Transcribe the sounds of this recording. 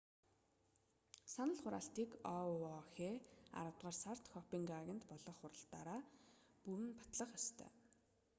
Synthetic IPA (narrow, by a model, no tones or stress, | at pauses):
sanə̆ɮχʊɾa̰ːɬt̪iːkɔɔxeːa̰ɾə̆t̪ʁaːrsar̥t̪xɔpiŋkaɣʲɪ̆nt̪pɔɮɞ̆χːʊɾə̆ɬt̪aːɾaːpuɾɘ̆npḁt̪ɮə̆χjɔst̪ʰœ̰ː